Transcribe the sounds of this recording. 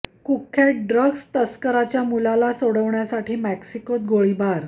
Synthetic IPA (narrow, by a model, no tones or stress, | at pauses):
kukʰːeʈ̚ɖɾəɡst̪əskəɾat͡ɕjamulalasoɽəʋɳjasaʈʰiːmæksikot̪̚ɡoɭibaɾ